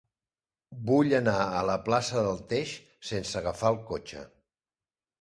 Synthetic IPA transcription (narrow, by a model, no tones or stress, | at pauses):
buʎənaələplasəðəlˠt̪eʃ | sensəɣəfaəlˠkot͡ʃə̰